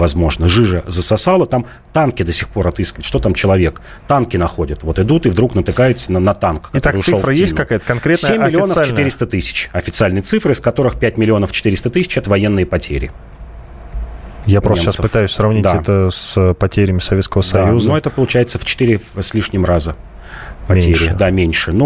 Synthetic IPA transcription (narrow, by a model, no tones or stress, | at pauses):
vɐzmo̞ʐnəʐɨʐəzəsɐsalˠət̪am | t̪ankʲɪd̪əsʲɪxpo̞ɾɐt̪ɨskʲɪvɪt̪ʲʂt̪o̞t̪amt͡ɕɪlˠɐvʲe̞k | t̪ankʲɪnɐxo̞dʲət̪vo̞t̪ɨd̪ut̪ɨvd̪ɾuknət̪ɨkajʊt̪sənnɐt̪ankkt̪aɾʂsolfɾəjest̪kɐkajət̪əkɐnkɾʲetsʲemʲːɪlʲɪo̞nəsft͡ɕlʲɪnɨɾʲɪst̪ət̪ɨsʲɪ̥t͡ɕɐfʲɪt̪sɨalʲnɨjət̪sɨfɾɨɪskɐt̪o̞ɾɨxpʲæt̚ʲmʲɪlʲɪo̞nəft͡ɕɪt̪iɾʲɪst̪ət̪ɨsʲɪ̥t͡ɕɛt̪əvɐje̞nːɨjəpɐtʲḛɾʲɪ̰ | japɾosaʃasəpɨtft̪ajʉsʲsrɐvnʲid̪aaɛt̪əspɐtʲeɾʲɪmʲɪsɐvʲet̪skəvəsɐjuznoɛt̪əpəlˠʊt͡ɕæjɪt̪səft͡ɕɪ̥t̪ɨɾʲɪsʲlʲiʂnʲɪmrazə | pmɐeɾɾɪd̪amʲenʲʂɨno